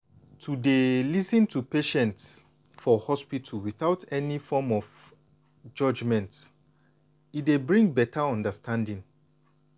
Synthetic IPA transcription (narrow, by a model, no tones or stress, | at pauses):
tʰudelisĩntʰupeʃɛ̃nts | fɔhɔspitʰulwiθaʊtʰɛnifɔmɔf | d͡ʒʌd͡ʒmɛ̃nt | itdebɹĩŋbɛtʰaɔ̃ndəstʰãndĩŋ